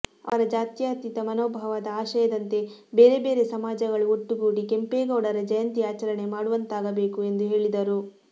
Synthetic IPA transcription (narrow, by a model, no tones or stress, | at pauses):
ɐ̰ʋɐɾɐd͡ʒaːt̪jaːt̪it̪ɐmɐnoːbʱɐʋɐd̪ɐaːʃɐjɐd̪ɐnt̪e̞ | beːɾe̞be̞ːɾe̞sɐmaːd͡ʒɐɡɐɭuoʈːuɡuːɽike̞mpeːɡɐwɽɐɾɐd͡ʒɐjɐnt̪iaːt͡ʃɐɾɐɳe̞maːɽuʋɐnt̪aːɡɐbe̞ːkue̞nd̪uɦe̞ːɭid̪ɐɾu